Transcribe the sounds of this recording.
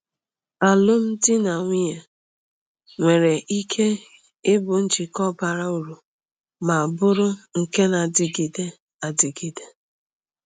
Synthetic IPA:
a˨lʊ˦m̩˦dɪ˦na˨ŋʷi˦ja˨ | ŋʷe˨ɾe˨ʔi˦kʰe˦ | ɪ˦bʊ˨n̩˦t͡ʃi˨kɔ˦ba˨ɾa˦u˨ɾu˨ | ma˨a˨bʊ˦ɾʊ˦ŋ̩˨ke˦na˨dɪ˨ɡi˨de˦ | a˨di˨ɡi˨de˦

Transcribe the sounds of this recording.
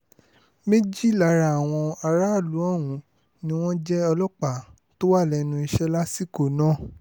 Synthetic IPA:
me˦d͡ʒi˦˨la˨ɾa˧˨a˨w̃ɔ̃˧a˧ɾa˦˨lu˨˦ɔ˦˨wũ˨˦ | nĩ˦w̃ɔ̃˦d͡ʒɛ˦ɔ˧lɔ˦k͡pa˨ | to˦wa˦˨lɛ˧˨nũ˧i˧ʃɛ˦la˦si˦˨ko˨nã˦˨

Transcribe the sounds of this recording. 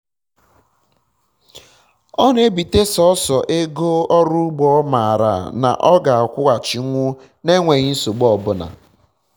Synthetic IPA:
ɔ˦n˦e˦bi˨te˦sɔ˦ɔ˦sɔ˨ʔe˦ɡo˦ɔ˦ɾʊ˦ɡ͡bɔ˦ma˨a˨ɾa̰˨na̰˨ʔɔ˦ɡa˨a˨kʷʊ˦ɣa˨t͡ʃi˨˦ŋʷʊ˦ | ne˦ŋʷe˨ɣi˦n̩˦so˨ɡ͡bɔ˦˨bʊ˦na̰˨

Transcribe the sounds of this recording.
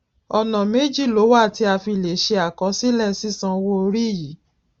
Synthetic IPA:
ɔ˨nã˨me˨˦d͡ʒi˦˨lo˨˦wa˦˨ti˧a˧fi˧˨le˨ʃe˧a˨kɔ̃˨˧˦si˦lɛ˦˨si˦sã˧wo˦o˧ɾi˦˨ji˨˦

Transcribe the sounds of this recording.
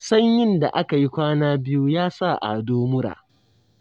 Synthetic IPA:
sɐ˦ɲjɪ˦nda̰˨ʔa˦ka˨ji˦kʷaː˦naː˦bɪ˦ju˦jaː˦sa˦˨ʔa̰˨doː˦mʊ˦ɾa̰ː˨

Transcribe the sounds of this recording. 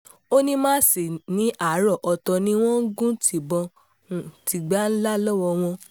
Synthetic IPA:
o˦nĩ˦mãː˦˨si˨nĩ˨˦ʔa˦˨˦ɾɔ˦˨ʔɔ˨tɔ˧nĩ˨˦w̃ɔ̃˦ɡũ˦tʰi˨bɔ̃˧ | ũ˨ti˧ɡ͡ba˦n̩˦la˦lɔ˦wɔ˧w̃ɔ̃˧

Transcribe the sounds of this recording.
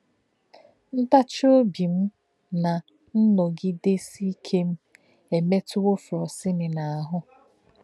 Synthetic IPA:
n̩˦ta˦t͡ʃo˦bi˨m̩˦ | na˨ | n̩˦nɔ˨ɡɪ˦de˦si˦kʰe˦m̩˦ | e˨me˦tʊ˦wo˦fɾɔ˨sɪ˦nɪ˨na˨a˨ɦʊ˦

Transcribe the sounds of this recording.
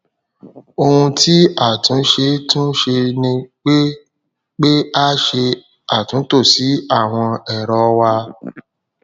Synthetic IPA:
o˧hũ˧ti˦a˦˨tũ˨˦ʃe˧tũ˦ʃe˧nĩ˧k͡pe˦ | k͡pe˦a˦ʃe˧ | a˦˨tũ˨˦to˦˨si˨˦a˦˨w̃ɔ̃˧ɛ˨ɾɔ˨˧wa˧

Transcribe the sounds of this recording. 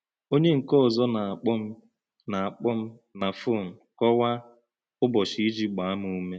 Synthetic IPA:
o˦ɲe˦ŋ̩˨kɔ˦ɔ˨zɔ˦na˨k͡p | na˨a˨k͡pɔ˦m̩˦ | na˨fo˦˨m̩˨kɔ˦wa˦ | ʊ˦bɔ˨ʃi˦i˦d͡ʒi˦ɡ͡ba˨a˦mʊ˨u˦me˦

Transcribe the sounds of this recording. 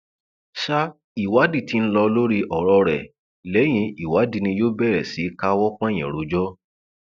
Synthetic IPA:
ʃa˦ | i˨wa˨˦di˦˨ti˨˦ñ̩˦lɔ˧lo˦ɾi˧ʔɔ˨ɾɔ˧ɾɛ˨ | lɛ˨˦j̃ĩ˧i˨wa˨˦di˧nĩ˧joː˦bɛ˦˨ɾɛ˨si˨˦ka˦wɔ˦k͡pɔ̃˦ɛ˦˨j̃ɛ̰̃˨ɾo˨˦d͡ʒɔ˦

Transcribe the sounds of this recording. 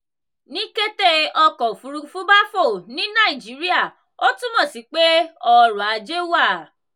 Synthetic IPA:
nĩ˦ke˦te˦ɔ˧kɔ˨fu˨˧ɾu˧fũ˦ba˦fo˦˨nĩ˨˦nã˦˨i˨d͡ʒi˨˦ɾi˦a˦˨ | o˦tũ˦mɔ̃˦˨si˨˦k͡pe˦ɔ˧ɾɔ̃˨a˨d͡ʒe˦wa˦˨

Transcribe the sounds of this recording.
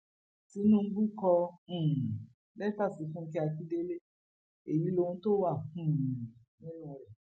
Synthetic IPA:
si˦nũ˦ŋ̩˦ɡu˦kɔ̃˧˨ | lɛ˦pa˦˨si˨fũ˦˧ŋ̩˦k̬ɛ˦a˧ki˦de˦le˦ | e˨ji˦lo˧˦ũ˦to˦wa˦˨ũ˦˨˦ | ɛ˦a˨ɾɛ˨

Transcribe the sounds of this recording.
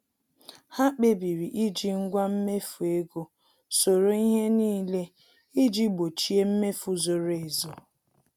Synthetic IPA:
ha˦k͡pe˦bi˨ɾi˨ʔi˦d͡ʒi˦ŋ̩˦ɡʷa˦m̩˦me˦fu˨e˦ɡo˨ | so˨ɾo˨i˦ɦe˦niː˦le˦ | i˦d͡ʒi˦ɡ͡bo˨t͡ʃi˦e˦m̩˦me˦fu˨zo˨ɾo˨e˨zo˨

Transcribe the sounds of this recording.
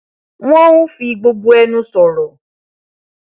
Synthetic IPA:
w̃ɔ̃˦wũ˦fi˧ɡ͡bo˧ɡ͡bu˦ɛ˦nũ˦sɔ˨ɾɔ˨

